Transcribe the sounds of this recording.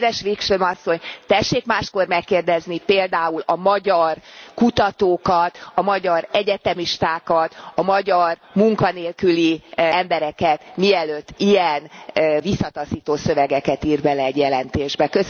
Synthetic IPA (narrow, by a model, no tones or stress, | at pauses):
vɛʃʋikʃømɒsːoɲt̪ɛʃːeːkmaːʃko̞rmɛkːeːrd̪ɛznipeːld̪aːulɒmɒɟɒrkut̪ɒt̪oːkɒt̪ɒmɒɟɒɾɛɟɛt̪ɛmiʃt̪aːkɒt̪ɒmɒɟɒrmuŋkɒneːlkyliɛmbɛɾɛkɛt̪miɛløːt̪ːijɛnvisːɒt̪ɒsiːt̪oːsø̞vɛɡɛkɛt̪iːrbɛlɛːɟjɛlɛnt̪eːʒbɛkøs